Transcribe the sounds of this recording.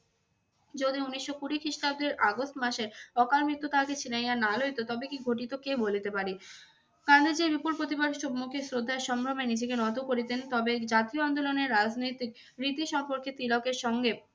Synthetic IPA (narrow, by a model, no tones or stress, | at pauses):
d͡ʑod̪iuniʃːokuɾikʰiʃʈab̚d̪eɾʔaɡosʈmaʃeɾɔkalmɾit̪ːot̪ʰaket͡ɕʰinajanalojt̪ot̪ɔbekiɡʱoʈit̪okebolit̪epaɾi | kand̪ad͡ʑeɾbipulpɾot̪̬ibaɖʃobmukʰesɾod̪ʱːaeʃɔmɾomenid͡ʑekenɔt̪okoɾit̪ent̪ɔbed͡ʑat̪ioand̪oloneɾːad͡ʑnojt̪ik̚ | ɾit̪iʃɔmpoɾket̪ɾilokeɾʃɔŋɡe